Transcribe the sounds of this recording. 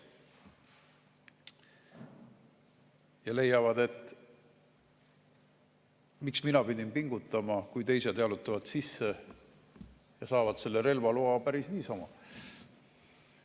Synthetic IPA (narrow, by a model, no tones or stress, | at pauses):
jɑle̞jːɑvɑd̪e̞t̪ːˑ | miksminɑpid̪̥ʲinpiŋɡ̥ut̪ːˑɑmɑkujt̪e̞jsed̪ɑlut̪ːˑɑvɑd̪̥sisːe | jɑsɑːvɑd̪se̞lːe̞ɾe̞lvɑluɑpæɾisniːsɑmɑ